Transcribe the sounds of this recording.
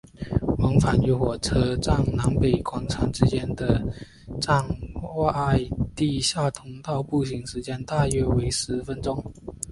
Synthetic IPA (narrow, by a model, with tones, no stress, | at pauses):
wɑ˧˥ŋfa˨˩ny˧˥xwɔ˨˩ʈ͡ʂʰɤ˥ʈ͡ʂɑ˥˩ŋna˧˥ŋpe˨˩ɪkwɑ˨˩ŋʈ͡ʂʰɑ˧˥ŋʈ͡ʂɻ̩˥t͡ɕjɛ˥nd̪ə˨ | ʈ͡ʂɑ˥˩˧ŋa˥˧˥ɪt̪i˥˧ɕja˥˩t̪ʰʊ˧˥ŋt̪ɑ˥˧ʊpu˥˩ɕi˧˥ŋʂɻ̩˧˥t͡ɕjɛ˥nt̪a˥˧ɥɛ˥we˧˥ɪʂɻ̩˧˥fə˥nʈ͡ʂʊ˥˧ŋ